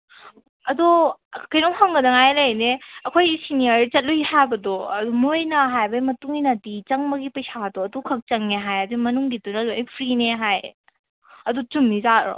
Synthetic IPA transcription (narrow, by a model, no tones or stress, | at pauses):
ɐdukɐjɾɔŋhaŋɡɐdɐŋajlɐjneɐkʰojisiniɐɾit͡ʃɐt̚lujihajbɐdɔɐdumojnɐɦajbɐimɐtuŋinɐdit͡ʃɐŋmɐɡipɐjsatɔɐdukʰɐk̚t͡ʃɐŋneɦajɐdimɐnuŋɡitunɐlopʰɾineɦaj | ɐdut͡ʃumːizaɾɔ̰